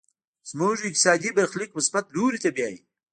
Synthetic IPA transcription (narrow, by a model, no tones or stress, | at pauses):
z̥moʒɪk̚t̪sɑːd̪ibaɾxlikməsbat̪luːɾit̪abjaːji